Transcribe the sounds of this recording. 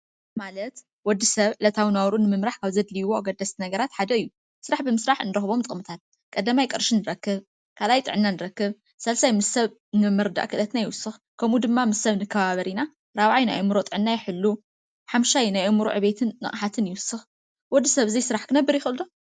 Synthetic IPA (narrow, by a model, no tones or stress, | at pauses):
malɐt̪ | wɔd̪ːisɐβʕɨlɐt̪ʰawinawɾunɨmɨmɾaħkʰaβzɐd̪lijwoaɡɐd̪ːɐst̪ʰinɐɡɐɾat̪ħad̪ɐɨjːu | sɨɾaħbɨmɨsɾaħɨnɨɾɐxβo̞mt̪ʼɨmɨt̪ʰat̪̚ | kʼɐd̪ːamajkʼɨɾʃɨnːɨɾɐkːɨβ | kʰalajt̪ʼɨ̰ʕɨnːanɨɾɐkːɨβ | sɐlsajmɨsɐβ | nɨmɨɾd̪a̰ʔkʰɨlɐt̪najɪwʊsːɨxkʰɐmud̪ɨmːamɨsːɐβnɨkʰːɐβaβɐɾina | ɾaβʕajna̰jʔɐmɨɾot̪ʼɨʕɨnːajɪħɨlːu | ħamʃajnajʔɐmuɾṵʕɨβe̞t̪ʰɨnːɨ̰χʼħat̪ʰɨnjɪwʊsːɨx | wɔd̪ːisɐβzejsɨɾaħkʰɨnɐbːɨɾjɪxɨld̪o